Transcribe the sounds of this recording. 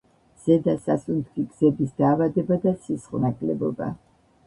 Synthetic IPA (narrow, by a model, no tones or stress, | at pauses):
z̥ɛd̪asasʼunt̪ʰfiɡzɛbisd̪aːvad̪ɛbad̪asisχʼnakʼlɛbɔba̰